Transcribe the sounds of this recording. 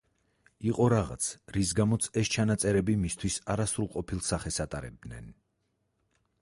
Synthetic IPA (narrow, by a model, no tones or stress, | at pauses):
iqʼɔɾaʁa̰t̪sʰɾisɡamɔt̪sʰɛst͡ʃʰanat̪sʼɛɾɛbimist̪ʰwisaɾasɾulˠqʼɔpʰilˠsaχɛsat̪ʼaɾɛ̰b̚d̪nɛ̰n